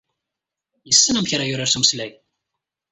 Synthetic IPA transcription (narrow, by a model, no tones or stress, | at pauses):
jəsːənæmçɾˤajʊɾaɾsumslæj